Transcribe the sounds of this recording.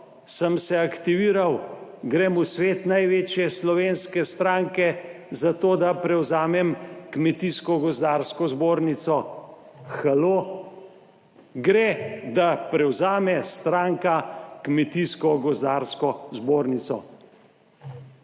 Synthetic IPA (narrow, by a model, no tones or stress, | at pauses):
səmsɛakt̪iʋiːɾawɡɾemusʋeːt̪najʋeːt͡ʃjɛslɔʋeːnskɛst̪ɾaːŋkɛ | zat̪oːd̪apɾɛwzaːmɛmkmɛt̪iskɔɡɔzd̪aːɾskɔzboːɾnit̪sɔ | xaloː | ɡɾed̪apɾɛwzaːmɛst̪ɾaːŋkakmɛt̪iskɔɡɔzd̪aːɾskɔzboːɾnit̪sɔ̰